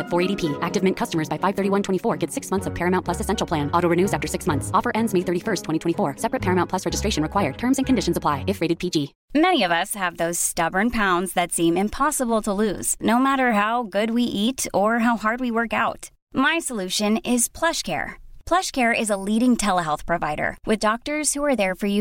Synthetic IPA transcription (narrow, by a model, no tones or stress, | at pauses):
fɔɹeɪɾipʰiæk̚tɨvmɛ̃nkʰʌstəmə˞zbaɪfaɪv̥θɜ˞ɾiwʌ̃ntʰwɛ̃ɾ̃ifɔɹɡɛtsɪksmʌ̃nθsʌv̥pʰɛɹɨmãʊ̃npʰlʌsɨsɛ̃nʃl̩ˠpʰl̥æ̃nɔɾoʊɹɨnʉzæftə˞sɪksmʌ̃nθsɔfə˞ʔɛ̃ndzmeɪθɜ˞ɾifɜ˞stʰw̥ɛ̃itʰwɛ̃ifɔɹsɛpɹɨt̚pʰɛɹɨmãnpʰlʌsɹɛd͡ʒɨstɹ̥eɪʃɨ̃nɹɨkʰw̥aɪə˞d̚tʰɜ̃˞mzɨ̃nkʰɨ̃n̩dɪʃɨ̃n̩zəpʰl̥aɪɨfɹeɪɾɨd̚pʰid͡ʒi | mɛniʌvʌshəvðoʊz̥stʌbə˞npʰãʊ̃ndzðɨtsĩmɨ̃mpʰɑsəbl̩ˠtʰəluz̥noʊmæɾə˞ɦaʊɡʊd̚wiʔiɾə˞ɦaʊhɑɹd̚wiwɜ˞kaʊt | maɪsəlʉʃɨ̃nɪz̥pʰl̥ʌʃkʰɛ̰ɹpʰl̥ʌʃkʰɛɹɪzəliɾɪ̃ŋtʰɛlˠəɦɛlˠθpʰɹ̥ɨvaɪɾə̰˞wɨðdɔk̚tə˞z̥huə˞ðə˞fə˞ju